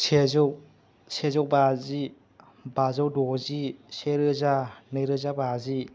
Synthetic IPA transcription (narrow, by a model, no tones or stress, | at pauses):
sʰezɔw | sezɔwbazi | bazawdɔziseɾɯzanɯjɾɯzabazi